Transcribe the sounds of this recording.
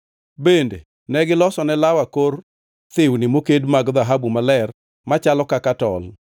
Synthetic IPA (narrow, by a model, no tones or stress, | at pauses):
bendḛ | nɛɡɪlɔsɔnɛlawakor | t̪ɪwnɪmokedmaɡðaɦabumalɛr | mat͡ʃalɔkakatɔl